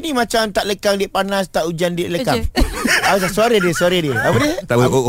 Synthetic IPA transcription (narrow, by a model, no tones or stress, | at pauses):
nĩmãt͡ʃamt̪aʔləkaŋdiəʔpanast̪aʔud͡ʒandieʔləkaŋat̪asuaɾədiəsuaɾədiəapədəa